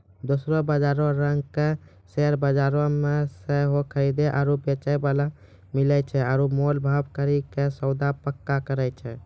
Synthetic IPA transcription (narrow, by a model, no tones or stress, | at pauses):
d̪osɾobəd͡ʒaɾõɾəŋɡke | seɾbəd͡ʒaɾõmesəɦokʰəɾid̪eʔa̰ːɾupet͡ʃajbala | milɛt͡ʃʰɛaːɾumolbʱabkəɾikesəʊd̪apəkːakəɾɛjt͡ʃʰɛ